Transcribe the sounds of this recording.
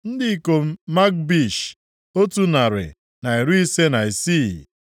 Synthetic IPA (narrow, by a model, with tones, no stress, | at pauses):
n̩˦dɪ˦ko˨m̩˦ma˦k̚bi˦˨ʃ | o˦tu˦na˨ɾɪ̰˨ | na˨i˨ɾu˦i˦se˦na˨i˨si˦˨